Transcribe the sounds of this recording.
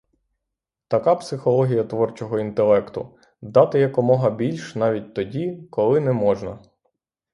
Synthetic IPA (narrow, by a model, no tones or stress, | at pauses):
t̪ɐkɑpsɪxɔlˠɔɦʲijɐt̪ʋɔrt͡ʃɔɦɔint̪elˠɛkt̪ʊ̰ | d̪ɑt̪ɪjɐkɔmɔɦɐbʲilʲʃnɑʋʲit̚ʲt̪ɔdʲikɔlˠɪnɛmɔʒnɐ